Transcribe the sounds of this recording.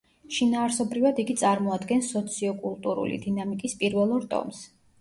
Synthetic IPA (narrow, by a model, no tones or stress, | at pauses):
ʃinaːɾsɔbɾivad̪iɡit̪sʼaɾmɔad̪ɡɛnsɔt̪sʰiɔkʼulˠt̪ʼuɾṵlḭd̪inamikʼispʼiɾvɛlˠɔɾt̪ʼɔ̰ms